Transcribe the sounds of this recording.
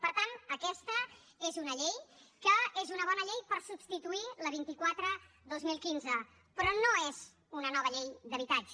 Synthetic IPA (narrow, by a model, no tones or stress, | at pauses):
pəɾt̪anəkɛst̪ə | ezunəʎejkəezunəβ̞ɔnəʎejpəɾsubst̪it̪uiləβ̞int̪ikwat̪ɾə | ðozmilˠkinzə | pɾɔnoez | unənɔβ̞əʎejd̪əβit̪ad͡ʒə